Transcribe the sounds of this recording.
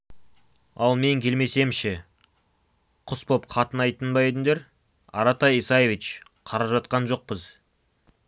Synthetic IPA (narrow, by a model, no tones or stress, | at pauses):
ɑlˠme̞ŋkʲʰe̞lme̞se̞mʃɪ | qʰʊspo̞p̚qʰɑt̪ənɑjt̪ənbɑjed̪ɪnd̪eɾ | ɑ̰ɾɑt̪ɑjijsɑje̞vit͡ʃ | qʰɑɾɑpʒɑt̪̚qɑnʒo̞q̚pəz